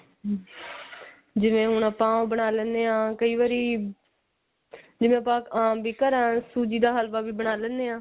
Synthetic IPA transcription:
d͡ʒɪʋẽːɦʊɳəpãːõːbəɽaːlɛ̃ːnd̪eːãːkəiːʋaːɾiː | d͡ʒɪʋẽːəpãːaːbiːkəɾãːsuːd͡ʒiːd̪aːɦəlʋaːʋiːbəɽ̃aːlɛːnd̪eːãː

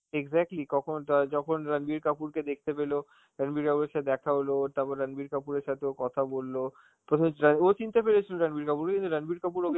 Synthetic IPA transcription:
eɡzɛk̚ʈlikɔkʰont̪ad͡ʑɔkʰonɾanbiɾkapuɾked̪ek̚t̪epelo | ɾanbiɾkapuɾeɾʃat̪ed̪ɛkʰaɦolot̪abaɾanbiɾkapuɾeɾʃat̪ʰeokɔt̪ʰabolːo | pɾot̪ʰomɾanot͡ɕint̪apeɾet͡ɕʰiloɾanbiɾkapuɾkekint̪uɾanbiɾkapuɾoke

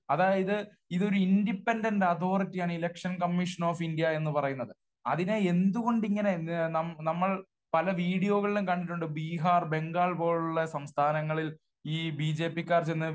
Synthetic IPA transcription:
ɐðaːjɐðɨ | iðo̞ɾuindipːendɐndɐt̪ʰo̞ːritːijaːɳɨilekʂɐnkɐmːiʂɐnoːfindijɐe̞nːɨpɐrɐjunːɐðɨ | ɐ̰ðineend̪uɣo̞ɳɖiŋːɐne̞nɐmnɐmːɐɭ | pɐlɐʋiːɽijo̞ːɣɐɭilumkɐɳːɖiʈːuɳɖɨbiːɦaːrbe̞ŋɡaːɭpo̞ːɭuɭːɐsɐmst̪ʰaːnɐŋːɐɭil | iːbiːd͡ʑe̞ːpːikːaːrt͡ɕenːɨ

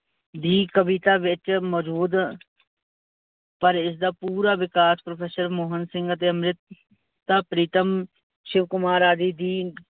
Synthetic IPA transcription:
d̪iːkəʋiːt̪aːʋɪt͡ʃmɔːd͡ʒuːd̪ | pəɾɪs̬d̪aːpuːɾaːʋɪkaːspɾopʰɛːsəɾmoːɦənsɪ̃ŋɡət̪eːəmɾɪt̪ | t̪ːaːpɾiːt̪əm | ʃɪʋkʊmaːɾaːd̪iːd̪iː

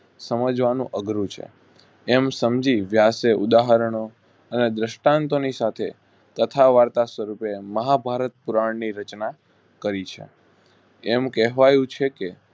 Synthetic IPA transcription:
səməd͡ʒʋanṵ̃ʔəɡɾũt͡ʃʰḛ | ɛmsəmd͡ʒiʋjaseʔud̪aɦəɾəɳ̃o | əned̪ɾəʃʈãnt̪onisat̪ʰe | t̪ət̪ʰaʋaɾt̪asʋəɾupeməɦabʱaɾət̪̚puɾaɳniɾət͡ʃna | kəɾit͡ʃʰḛ | ɛmkɛɦʋajũt͡ʃʰeke

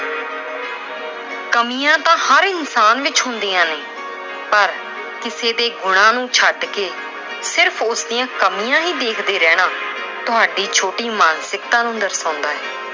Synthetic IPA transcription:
kəmijãːt̪ãːhəɾɪnsaːnʋɪt͡ʃɦʊ̃nd̪iːãːneː | pəɾ | kɪseːd̪eːɡʊɽ̃ãːnũːt͡ʃʰəɖkeː | sɪɾpʰʊsd̪ɪjãːkəmijãːɦiːd̪eːkʰd̪eːɾɛːɽ̃ãː | t̪ʊɦaːɖiːt͡ʃʰoːʈiːmaːnsɪk̚t̪ãːnũːd̪əɾsãːnd̪aːɦɛː

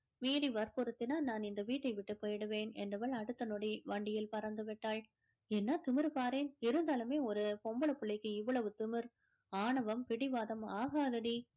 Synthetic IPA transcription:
miːɾiʋɐɾpɔɾɯt̪ːɪnaːnaːnɪnd̪ɐʋiːʈːɐɪʋɪʈːɯpoːjɽɯʋeːnɛ̰ndɐʋɐɭɐɽɯt̪ːɐnɔɽiʋɐɳɖɪjɪlpɐɾɐnd̪ɯʋɪʈːaːɭ | ɛnːɐt̪ʊmɪɾpaːɾeːnɪɾɯnd̪aːlɯmeːɔɾɯpɔmbɐɭɐpːɯɭːɐɪkːɯɪʋːɐɭɐʋɯt̪ʊmɪɾ | aːɳɐʋɐmpɪɽɪʋaːðɐmaːɣaːðɐɽi

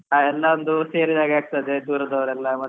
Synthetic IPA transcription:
aːɛlːaɐnd̪useːɾid͡ʒaːɡaːɡ̚t̪ɐd̪ed̪uːɾɐd̪ɐʋɐɾɛlːɐmɐ

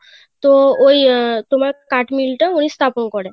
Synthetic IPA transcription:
t̪oojt̪um̤alkaʈmilʈəuɽ̃ist̪ʰapəɳkɔɽɛ̃

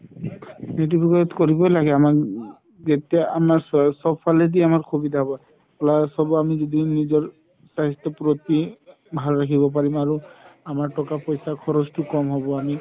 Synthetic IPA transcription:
net̬ipɔɡɔɔtkoɹibɔlaɡɛamak | zetijaamasɔbfʰalɛdiamaɹkʰobidaɦbɔ | ɔlasɔbamizodinizɔɹ | saɦitɔpɹot̪i | bʱalɹakʰibɔp̬aɹimaɹuamaɹtɔkapɔjsakʰɔɹɔztʊkɔmɦɔbɔami

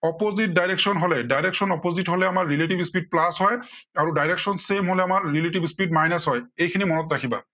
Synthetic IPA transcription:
ɔpozit̚dajɹeksɔnɦolɛdajɹeksɔnɔpozitɦolɛamaɹːileʈibispid̚plasɦɔjaɹudajɹeksɔnsemɦolɛamaɹːileʈibspiʈ̚majnasɦɔjejkʰinimɔnɔtɹakʰiba̰

